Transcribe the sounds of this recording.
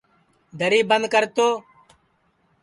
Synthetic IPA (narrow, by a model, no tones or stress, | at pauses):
d̪ʱəɾiːbənd̪̚kəɾt̪oː